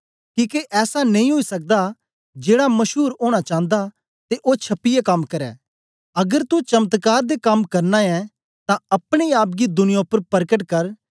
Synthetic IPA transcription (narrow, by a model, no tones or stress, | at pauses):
kiːkeʔɛːsanɐ̃ĩɦoisɐk̚d̪a | d͡ʒeːɽamɐʃɦuːɾoːɽ̃at͡ʃãːə̃n̆d̪a | t̪eʔot͡ʃʰɐpːɪjekɐmkɐɾɛ̰ː | ɐɡəɾt̪ut͡ʃɐmət̪kaːɾd̪ekɐmkɐɾnaɛ̃ | t̪ãɐpɽ̃eaːp̬̚ɡid̪ʊnɪjõpɐɾpɐɾkəʈ̬kɐɾ